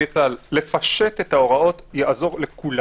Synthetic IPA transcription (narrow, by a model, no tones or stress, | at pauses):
eklalːe̞faʃet̪et̪ao̞ʁao̞t̪jaʔazo̞ʁle̞kul